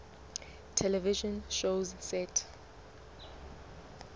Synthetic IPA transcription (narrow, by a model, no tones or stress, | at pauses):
tʰɛlɛviʒɔ̃nʃozsɛtʰ